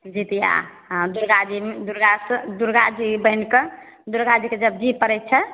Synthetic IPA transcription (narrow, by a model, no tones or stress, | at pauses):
d͡ʒit̪ijã̰ | d̪uɾɡad͡ʒimed̪uɾɡasd̪uɾɡad͡ʒibəɦinkə | d̪uɾɡad͡ʒiked͡ʒəb̚d͡ʒipəɾɛt̪̚t͡ʃʰə